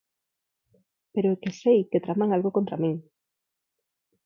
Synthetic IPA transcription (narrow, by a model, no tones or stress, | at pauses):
peɾoekesejket̪ɾamaŋalɣokont̪ɾamĩŋ